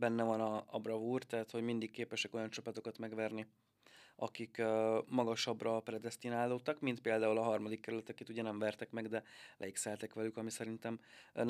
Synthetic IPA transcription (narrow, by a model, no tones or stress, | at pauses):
bɛnːɛvɒnɒɒ̰brɒvuːrt̪ɛɦæt̪ho̞ɟmind̪ikːeːpɛʃɛko̞jɒnt͡ʃɒpɒt̪o̞kɒt̪mɛɡvɛrni | ɒ̰kikømɒɡɒʃɒbrɒprɛd̪ɛst̪inaːlːoːt̪ːɒkmint̪̚peːld̪aːulɒɦɒrmɒd̪ikːɛɾylɛt̪ɛket̪uɟɛnɛɱvɛrt̪ɛkmɛɡd̪ɛlʔɛ̰iksɛlt̪ɛkʋɛlykɒmisɛɾint̪ɛmn